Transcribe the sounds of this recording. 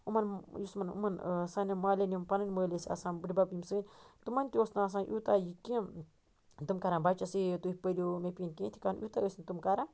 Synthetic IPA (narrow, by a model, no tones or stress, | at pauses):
umanjusmanṵmansanimalenimpanɨnməlesia̰sãbɨɾibabimsɨnt̪umanʲt̪iosnaas̬ãnʔut̪ajikĩ | d̪ɨmkaɾanbat͡ʃasit̪uihpəliumepiinkẽt̪ʰi̥kanʔut̪aəsnt̪umkaɾa